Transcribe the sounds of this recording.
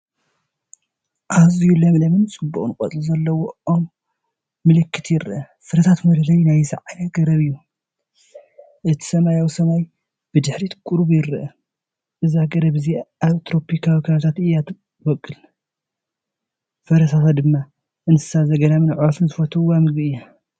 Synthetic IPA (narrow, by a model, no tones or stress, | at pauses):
ʔazijulɐmlɐmɨnt͡sʼɨbːuʔʼunkʼɐ̰luzɐlːɐwoomː | ɨlɨkʰːɨt̪ʰjɪɾɨʔɐ | fɨɾɐt̪ʰat̪mɐɾɐlɐjnajzɨʕajaɡɐɾɐβɨjːu | ʔɨt̪ʰi̥sɐmajawisɐmaj | b̥ɨd̪ɨħɾit̪kʼuɾbjɪɾʔɐ | ʔɨzaɡɐɾɐβɨziaβt̪ʰɾo̞pʰikʰawikʰat̪ʰat̪ɨjat̪ | bɐkʼːɨl | fɐɾɐt̪ʰat̪ʰat̪̚d̪ɨmːa | ʔɨnsɨ̥sazɐɡɐnamɨnʕuɾɐfɨnzɨfɐt̪ʰɐwamɨɡɨɨjːa